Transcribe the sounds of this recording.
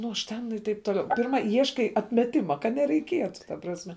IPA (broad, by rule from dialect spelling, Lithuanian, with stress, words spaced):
nʊ ˈɐʃ tʲɛn ɪr ˈtɐɪp toːˈlʲɛʊ pʲɪrˈmɐ ˈiɛʃkɐɪ ɐtʲmʲɛˈtʲɪmɐ kɐt nʲɛrʲɛɪˈkʲiɛtʊ tɐ prɐsʲˈmʲɛ